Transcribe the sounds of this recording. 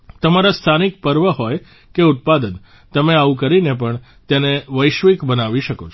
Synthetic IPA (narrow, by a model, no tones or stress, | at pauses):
t̪əmaɾast̪ʰanik̚pəɾʋəɦɔj | keʊt̪̚pad̪ən | t̪əmeaʋukəɾinepəɳ | t̪eneʋəjʃʋikbənaʋiʃəkot͡ʃʰ